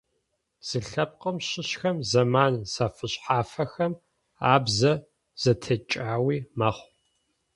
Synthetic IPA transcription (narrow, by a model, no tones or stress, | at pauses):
z̥ɨɬɐp̚qʼəmɕɪɕxɐmzɐmaːnsaːfɨɕħaːfɐxɐm | aːbzɐ | z̥ɐtʰɐt͡ʃʼaːwiːmɐχʷ